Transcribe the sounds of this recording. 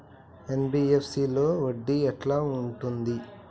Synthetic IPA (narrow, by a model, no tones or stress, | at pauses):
e̞nbiːepʰsiːlo̞ːʋoɖːiɛʈlaːuɳʈund̪i